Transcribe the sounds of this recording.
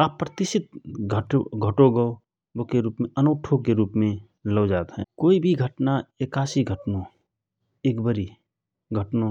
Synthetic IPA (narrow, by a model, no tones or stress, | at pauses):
aːpːɾət̪ɪʃɪt̪̚ɡʱəʈo̰ɡʱəʈoɡəo | bokeɾuːpmẽʔənəːʈʰokeɾuːpmẽ | ləːd͡ʒaːt̪ɦɛ̰̃ːkoːibʱiɡʱəʈnaeːkaːsiɡʱəʈnõ | eːkbəɾi | ɡʱəʈnõ